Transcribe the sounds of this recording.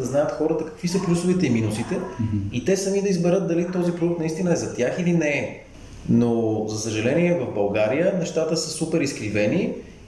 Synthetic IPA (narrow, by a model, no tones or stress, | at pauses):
d̪əznajət̪xɔɾət̪əkɐ̥kvisəplʲusʊvit̪ɛiminusit̪ɛit̪ɛsɐmid̪ɐizbɛɾɤt̪̚d̪ɐlit̪ɔzipɾod̪ukt̪nɐist̪inəɛzɐt̪ʲjaxilinɛ | nozɐsəʒɐlɛniɛvɐvbɐlˠɡaɾijənɛʃt̪at̪əsəsupɛɾiskɾivɛni